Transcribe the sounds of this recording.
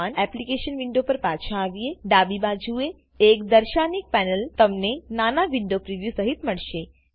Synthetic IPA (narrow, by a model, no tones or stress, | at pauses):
anɛplikeʃənʋiɳɖopəɾpat͡ʃʰaːʋieɖabibad͡ʒue | ekd̪əɾʃanik̚pɛnəlt̪əmnenanaʋiɳɖopɾiʋjusəɦit̪məɭʃe